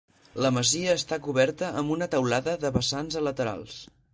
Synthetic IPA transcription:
ləməziəːst̪akuβɛɾt̪əʔəmbunət̪əwlaðəðəβəsanzələt̪əɾa̰lˠs

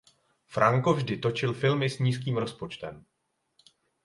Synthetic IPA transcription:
fɾaŋko̞vʒdɪt̪o̞t͡ʃɪlfɪlmɪsɲiːskiːmɾo̞spo̞t͡ʃt̪ɛm

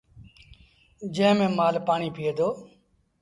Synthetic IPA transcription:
d͡ʒə̃ːmẽːmaːlpaːɳiːpʰieːd̪oː

